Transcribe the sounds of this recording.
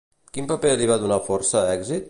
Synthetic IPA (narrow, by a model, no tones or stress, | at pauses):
kimpəpeəliβaðunafɔɾsəɛɡzit̪̚